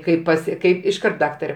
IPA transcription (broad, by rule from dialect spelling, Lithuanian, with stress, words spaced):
ˈkɐɪp pɐˈsʲɪ ˈkɐɪp ɪʃˈkɐrt ˈdɑːktɐrʲɛ